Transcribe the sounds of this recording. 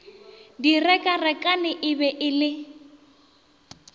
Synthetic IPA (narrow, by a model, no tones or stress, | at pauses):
dirɛkʼarɛkʼanɪʔɪbɛʔɪlɪ